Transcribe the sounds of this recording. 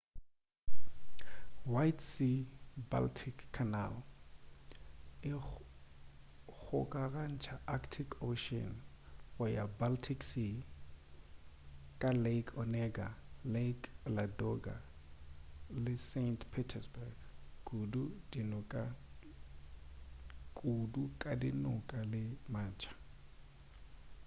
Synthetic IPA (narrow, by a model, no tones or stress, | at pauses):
wajtsiba̰ltʰikʰːana̰l | ɪ | k͡xʰʊkʼaɣan̩t͡ʃʰaʔaktʰikʰoʃɔ̰n | ɣʊjabaltʰiksi | kʼalekʰɔnɛɡalekladɔɡa̰ | lɪsentʰpʰitʰɛsbaɡkʼududinʊkʼa | kʼudukʼadinʊkʼalɪmaːnt͡ʃʰḁ